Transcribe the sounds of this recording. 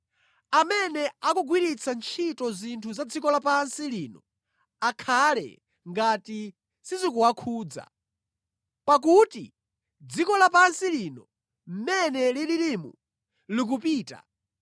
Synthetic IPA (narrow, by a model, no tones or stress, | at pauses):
amɛnɛakuɡwiɾit͡sʰant͡ʃʰitɔzintʰuzad͡zikɔlapansiliːnɔ | akʰalɛ̰ | ŋɡati | sizikuwakʰuːd͡za̰ | pak̬utḭ | d͡zikɔlapansilinɔ | m̩mɛnɛliliɾimṵ | lik̬upiːta̰